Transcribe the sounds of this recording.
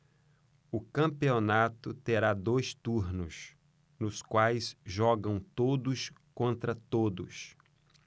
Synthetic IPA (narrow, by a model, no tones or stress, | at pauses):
ʊkɐ̃mpionat̪ʊt̪eɾad̪ojst̪uɾnʊs | nʊskwajsʒɔɡɐ̃w̃t̪od̪ʊskõnt̪ɾɐt̪od̪ʊ̰s